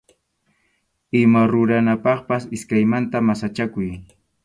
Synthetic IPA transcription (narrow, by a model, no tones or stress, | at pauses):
ɪmaɾʊɾanapɑχpasɪskajmant̪amasat͡ʃakʊj